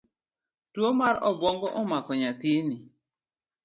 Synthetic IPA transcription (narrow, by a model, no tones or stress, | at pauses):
tuomaɾɔbɔŋɡɔʔɔmakɔɲatini